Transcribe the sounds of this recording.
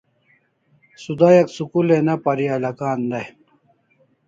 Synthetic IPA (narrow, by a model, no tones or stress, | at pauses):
sud̪aːjɐksukulenɐpɐɾiɐlɐkaːnd̪ɐj